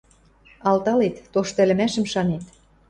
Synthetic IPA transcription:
ɑlt̪ɑlet̪ːoʃt̪æ̆lɘ̆mæʃə̆mʃɑnet̪

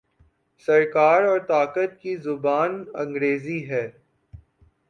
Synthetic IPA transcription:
sɐɾkaːɾɔːɾt̪aːkət̪̚kizʊbaːnɐ̃ŋɡɾeːziɦɛː

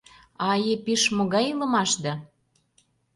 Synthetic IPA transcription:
ɑjepiʃmoɣɑjilə̆mɑʃd̪ɑ

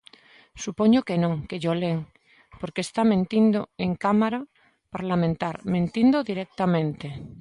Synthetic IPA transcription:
supoɲokenõŋkeʎoleŋ | poɾkest̪amẽnt̪ind̪oeŋkamaɾa | paɾlamẽnt̪aɾmẽnt̪ind̪oðiɾek̚t̪amẽnt̪e

